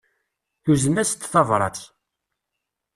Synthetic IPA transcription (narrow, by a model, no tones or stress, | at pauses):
θuzənæst̪ːθɑvɾˤɑ̰θ